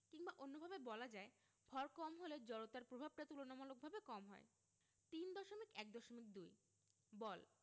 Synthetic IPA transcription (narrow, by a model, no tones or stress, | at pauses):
kiŋbaʔonːobʱabebɔlad͡ʑae | b̥ʱɔɾkɔmɦoled͡ʑɔɾot̪aɾpɾobʱab̚ʈat̪ulonamalok̚bʱabekɔmɦɔ̰e | t̪ind̪ɔʃomikɛk̚d̪ɔʃomik̚d̪uj | bɔl